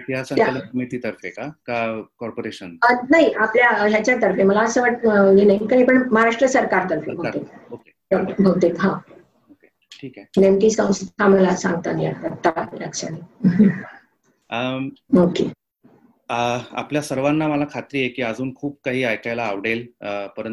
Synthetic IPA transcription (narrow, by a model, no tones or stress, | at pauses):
ijasət̪almet̪iːt̪əɾfekakakɔɾpoɾeɕənnaɦiapljaɦjat͡ɕjat̪əɾfeməlaəsəːʋaʈ̚jenaikanipəɳməɦaɾaʂʈɾəsəɾkaɾt̪əɾfḛbʱət̪ekoke | əbʱəɡt̪ek̪ɦã | oke | ʈʰiːkanemʈiːsə̃w̃st̪t̪aməlasãŋɡt̪ania̰at̪ːalaɡsa̰ni | okḛ | a̰pljasəɾʋanːaməlakʰat̪ɾiːjekiːəd͡zuːnkʰuːb̚kaɦiːajkajlaːʋɽelpəɾən